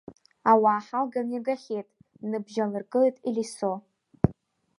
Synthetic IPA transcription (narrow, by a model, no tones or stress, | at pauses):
awaːħalɡamiɡaχʲejtʼ | nɨbʒalɨrkʼɨtʼiliso